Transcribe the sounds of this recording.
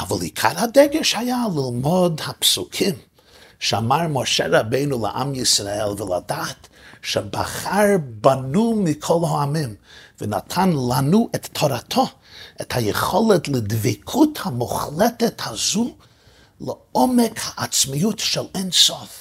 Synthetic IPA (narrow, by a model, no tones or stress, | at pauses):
avalˠikʰa̰ɾhadɛɡɛʃhajalˠɪlˠmɔdhapsukʰim | ʃɛamaɹmoʃɛɾabeɪnulˠə̰ʔa̰mjisɾaɛlˠvəlˠa̰daːtʃɛba̰χaɹbanumikʰɔlˠhoamimvəna̰tʰanlˠanuʔɛtʰːɔɾatʰɔ | ɛthajəχɔlˠɛtlˠɪdvikʰuthamʊχlɛtɛthazu | ləɔmɛkhaʔat͡smijutʃɛlˠɛnsɔf